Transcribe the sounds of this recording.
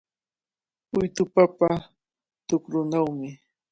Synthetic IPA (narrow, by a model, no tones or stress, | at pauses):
ʊjt̪ʊpapa | t̪ʊkɾʊnawmɪ